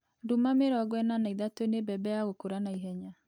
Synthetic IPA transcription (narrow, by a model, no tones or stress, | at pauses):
dumameɾɔaɡwɛnanaiðatoenebɛbɛjaɣokoɾanaiɦɛɲa